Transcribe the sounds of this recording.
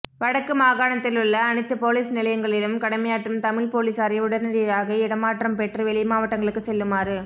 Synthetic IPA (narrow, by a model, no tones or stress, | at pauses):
ʋɐɽɐkːɯmaːɣaːɳɐt̪ːɪlɯɭːɐːnɪt̪ːɯpoːliːsnɪlɐjɐŋɡɐɭɪlɯmkɐɽɐmɐjaːʈːɯmt̪ɐmɪɭpoːliːsaːɾɐjʊɽɐɾnɪɾɪjɾaːɣɐɪɽɐmːaːʈrɐmpɛʈrɯʋɛɭɪmaːʋɐʈːɐŋɡɐɭɯkːɯsɛlːɯmaːɾɯ